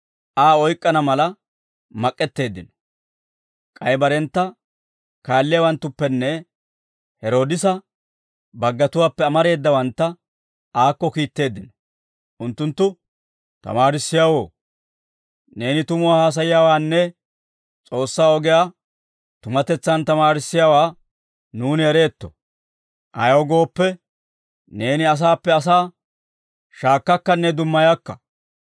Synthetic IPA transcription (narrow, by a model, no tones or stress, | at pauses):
ʔaːɔjkʼːɐnɐmɐlɐ | mɐkʼːɛt̪ːe̞ːd̪ːɪnɔ̥ | kʼɐjbɐɾɛnt̪ːɐ | kaːlːɪjɐwɐnt̪ːʊpːɛnːɛ | hɛɾo̞ːd̪ɪsɐ | bɐɡːɐt̪ʊwaːpːɛɐmɐɾe̞ːd̪ːɐwɐnt̪ːɐ | aːkːɔkiːt̪ːe̞ːd̪ːɪnɔ̥ | ʔʊnt̪ːʊnt̪ːʊ | t̪ɐ̰maːɾɪsːɪjawo̞ː | ne̞ːnɪt̪ʊmʊwaːhaːs̬ɐjɪjaːwaːnːɛ | t͡sʼo̞ːsːaːɔɡɛjaː | t̪ʊmɐt̪ɛt͡sːɐnt̪ɐmaːɾɪsːɪjaːwaː | nuːnɪɛɾe̞ːt̪ːɔ̰ | ʔɐ̰jɔɡo̞ːpːɛ | ne̞ːnɪɐs̬aːpːɛɐs̬aː | ʃaːkːɐkːɐnːɛd̪ʊmːɐjakːɐ